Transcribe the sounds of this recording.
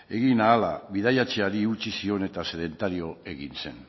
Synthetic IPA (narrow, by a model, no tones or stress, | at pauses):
e̞ɣinaːlaβiðajat͡ʃeaɾiut͡ʃisio̞ne̞t̪ase̞ð̞e̞nt̪aɾio̞e̞ɣinse̞n